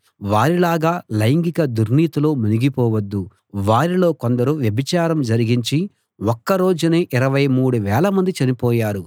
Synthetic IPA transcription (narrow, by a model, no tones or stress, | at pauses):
ʋaːɾilaːɡaːlɐjŋɡikɐd̪uɾniːt̪ulo̞ːmuniɡipɔːʋɐd̪ːu | ʋaːɾilo̞ːko̞nd̪ɐɾuʋjɐbit͡ʃaːɾɐmd͡ʒɐɾiɡiɲt͡ʃi | wokːɐɾo̞ːd͡ʒuneːʔiɾɐʋɐjmuːɽuʋɛːlɐmɐnd̪it͡ʃɐnipɔːjaːɾu